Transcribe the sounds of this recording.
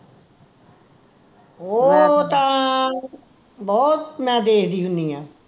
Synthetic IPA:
oːt̪ãː | bɔːt̪mãːd̪eːɦd̪iːɦʊnd̪iːãː

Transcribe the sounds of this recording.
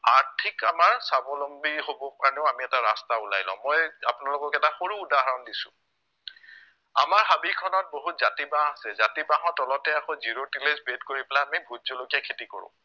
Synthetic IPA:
aɹtʰikamaɹsabɔlombiɦobɔpaɹnɛʊamiɛtaɹastaula̰jlɔ̰̃mojapʊnalʊkɔkɛtaxoɹuːdaɦaɹɔndisʊ̰̃ | a̰maɹɦabikʰɔnɔt̚boɦutzatibaasɛzatibaɦɔ̃tɔlɔtɛakɔziɹotilezbetkoɹipɛlaamibʱudzolokijakʰetiko̰ɹʊ̰̃

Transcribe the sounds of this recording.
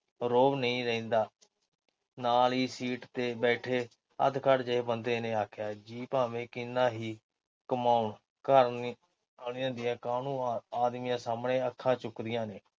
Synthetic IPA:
ɾoːbnəĩːɾɛ̃ĩːnd̪aː | naːliːsiːʈt̪eːbɛːʈʰeː | ə̰d̪kʰəɽd͡ʒeːbənd̪eːneːaːkʰjaːd͡ʒiːpaːʋẽːkɪnːãːɦiː | kəmaːuʊɳ | kəɾ | anɪjãːd̪ɪjãːkaːnũːaːd̪miːjãːsaːmɳeːəkʰːãːt͡ʃʊkd̪ɪjãːneː

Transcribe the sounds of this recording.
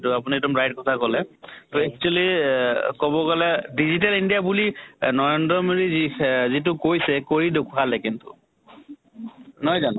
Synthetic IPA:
tʊapuniɛdɔmɹajt̚kɔtʰakɔlɛtɔɛk̚t͡ʃualikɔbɔɡɔlɛdizitalindijabulinɔɹendɹɔmodizizit̬ʊkojsɛkoɹidʊkʰualɛkintʊ̰ | nɔjzanɔ̃

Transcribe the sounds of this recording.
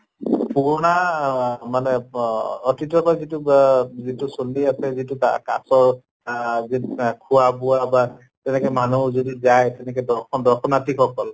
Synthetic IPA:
puɹɔna | manɛ | ɔtʰitɔkɔjzitʊzitʊsoliasɛzitʊka̰ka̰sɔɹ | zikʰuabʊwaba | tɛnɛkɛmanuzodizajtɛnɛkɛdɔkʰɔdɔɹkʰɔnatʰikʰɔkɔl

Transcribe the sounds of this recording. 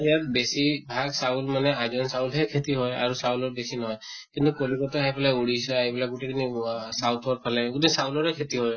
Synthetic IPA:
ijat̚besibʱaɡsaulmanɛazɔnsaulɦɛkʰetiɦɔja̰ɹusawulɔɹbesinɔɦɔj | kint̪ukolikɔtɔɦɛpʰalauɹisɔaibilak̚ɡutekʰinisawtʰwɔɹ̚pʰalɛɡuteisaulɔɹɛkʰetiɦɔj

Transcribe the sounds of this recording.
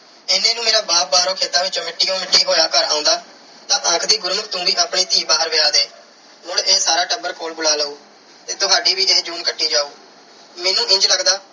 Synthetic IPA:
enẽːnũːmeːɾaːbaːb̚baːɾõːkʰeːt̪ãːʋɪt͡ʃmɪʈːiːõːmɪʈːiːɦoːjaːkəɾa̰ːʊ̃nd̪aː | t̪ãːʔə̃ːkʰd̪iːɡʊɾmək̚t̪ũːʋiːʔaːpɳiːt̪iːbaːɾʋɪaːd̪eː | mʊɽeːsaːɾaːʈəbəɾkoːlbʊlaːləuː | t̪eːt̪ʊɦaːɖiːʋiːeːd͡ʒuːnkəʈːiːd͡ʒaːuː | meːnũːʔɪ̃ɲd͡ʒləɡd̪aː

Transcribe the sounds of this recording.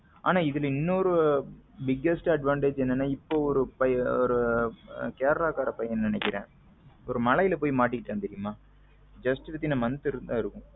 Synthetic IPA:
a̰ːnaːɪðɪlɪnːoɔɾɯbɪɡːɛsʈɐɖʋãːɳʈeːd͡ʒɛnːɐnːaːɪpːoːɔɾɯpɐjɔɾɯ | keːɾɐlaːkaːɾɐpɐjɐnnɪnɛkːɪɾḛ̃ː | ɔɾɯmɐlɐjɪlɐpoːjimaːʈ̬ːɪkːɪʈːaːnt̪ɛɾɪjɯmaː | d͡ʒɐsʈʋɛt̪ːinamɐnt̪ɪɾɯnd̪ãːɪɾɯkːʊ̃

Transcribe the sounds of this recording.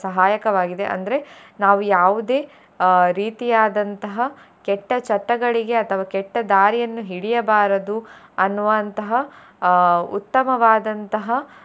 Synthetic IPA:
sɐɦaːjɐkɐʋaːɡid̪e̞̰ʔɐ̰nd̪ɐɾe̞naːʋujaːʋud̪e̞ː | ɾiːt̪ijaːd̪ɐnt̪ɐɦɐ | kɛʈːɐt͡ʃɐʈːɐɡɐɭiɡe̞ɐt̪ʰɐʋaːkɛʈːɐd̪aːɾijɐnːuɦiɽijɐbaːɾɐd̪uɐnːuʋɐnt̪ɐɦɐ | ṵt̪ːɐmɐʋaːd̪ɐnt̪ɐɦɐ

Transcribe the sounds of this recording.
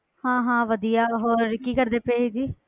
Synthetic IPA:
hãːɦãːʋəd̪ijaːɦoːɾːɪkiːkəɾd̪eːpeːiːd͡ʒiː

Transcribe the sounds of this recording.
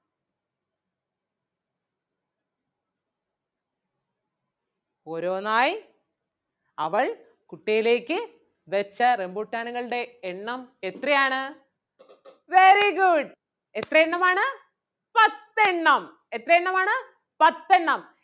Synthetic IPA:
oːɾo̞ːnaːj | ɐ̰ʋɐɭ | kuʈːijile̞ːkːɨ | ʋet͡ɕːɐrembuːʈːaːɳuɣɐɭɨɽe̞ːɳːɐmet̪rɐjaːɳɨ | ʋeɾiɡuɖ | et̪rɐeɳːɐmaːɳɨ | pɐt̪ːeɳːɐm | e̞t̪rɐjeɳːɐmaːɳɨ | pɐt̪ːe̞ɳːɐm

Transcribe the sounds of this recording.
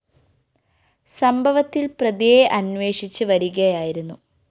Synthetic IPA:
sɐmbʱɐʋɐt̪ːilprɐðijeʔɐnʋe̞ːʂit͡ɕːɨʋɐɾuɣɐjaːjiɾunːu

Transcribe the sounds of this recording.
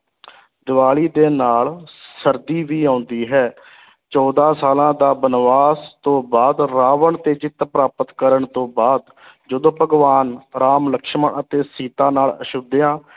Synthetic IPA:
d̪ɪʋaːɭiːd̪eːnaːlsəɾd̪iːʋiːãːʊnd̪iːɦɛː | t͡ʃɔːd̪aːsaːlãːd̪aːbənʋaːst̪õːbaːd̪ɾaːʋəɳt̪eːt͡ʃɪt̪pɾaːpət̪kəɾəɳt̪õːbaːd̪ | d͡ʒəd̪õːpəɡʋaːnɾaːmləkʃməɳʔət̪eːsiːt̪aːnaːləʃʊd̪ɪjãː

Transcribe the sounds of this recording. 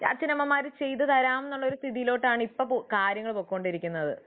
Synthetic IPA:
t͡ɕa̰ːt͡ɕɐnɐmːɐmːaːɾt͡ɕe̞jt̪ːɨt̪ɐɾaːmenːuɭːɐo̞ɾust̪ʰiðijilo̞ːʈːaːɳɨipːopokaːɾjɐŋːɐɭpoːkːoɳɖiɾikʲːunːɐðɨ̰

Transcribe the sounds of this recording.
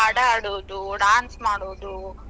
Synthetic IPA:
ɐɽɐɐɽoːd̪uɖaːnsmaːɽoːd̪u

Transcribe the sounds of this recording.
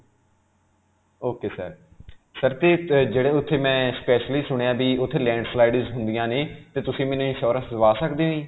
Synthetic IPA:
oːkeːsə̰ɾ | səɾt̪eːd͡ʒeːɽeːʊt̪ʰːeːmɛ̃ːspɛːʃliːsʊɽ̃ejãːbiːʊt̪ʰːeːlɛ̃ːɳɖslaːɪɖɪzɦʊ̃nd̪ijãːneːt̪eːt̪ʊsĩːmɛːnũːĩːʃɔːɾə̃ːsəʋaːsəkd̪eːnĩː

